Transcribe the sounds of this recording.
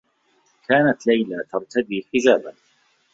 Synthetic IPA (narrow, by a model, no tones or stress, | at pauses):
kaːnat̪lajlat̪ɑɾˤt̪ʰad̪iːħɪd͡ʒaːban